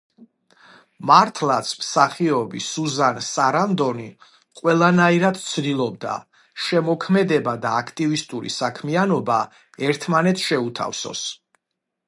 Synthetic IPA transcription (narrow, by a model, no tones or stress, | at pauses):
maɾt̪ʰlˠat̪sʰmsaχiɔbisuzansaɾamd̪ɔni | qʼwɛlˠanaiɾad̪t̪sʰd̪ilˠɔb̚d̪a̰ | ʃɛmɔkʰmɛd̪ɛbad̪aːkʰt̪ʼivist̪ʼuɾḭsakʰmianɔba | ɛɾt̪ʰmanɛt̪sʰʃɛut̪ʰa̰fsɔ̰s